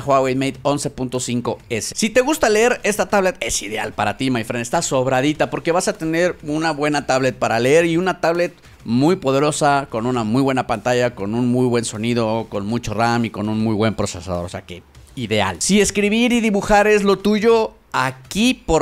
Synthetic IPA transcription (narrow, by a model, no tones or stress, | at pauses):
xwawejmejd̪o̞nse̞punt̪o̞siŋko̞e̞sesit̪e̞ɣust̪ale̞e̞ɾe̞st̪at̪aβle̞t̪e̞siðea̰lpaɾat̪imajfɾenest̪aso̞βɾaðit̪apo̞ɾke̞βasat̪e̞ne̞ɾunaβwe̞nat̪aβle̞t̪̚paɾaleeɾiunat̪aβle̞t̪ | mujpo̞ðe̞ɾo̞sako̞nunamujβwe̞napant̪aʝako̞nunmujβwe̞nso̞nið̞o̞ko̞nmut͡ʃo̞ramiko̞nunmujβwe̞mpɾo̞se̞sa̰ðo̞ɾose̞ake̞iðe̞a̰lsie̞skɾiβ̞iɾiðiβuxaɾe̞zlo̞t̪uʝo̞ | akipo